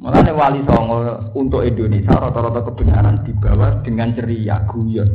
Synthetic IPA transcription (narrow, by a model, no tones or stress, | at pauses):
mo̰la̰newalisɔŋɔ | unt̪ʊʔɛndonesaɾɔt̪ɔɾɔt̪ɔkəb̥ə̤ɲa̰ɾand̪̥i̤b̥a̤wad̪̥ə̤ŋant͡ʃəɾija̰ɡ̥ṳjɔ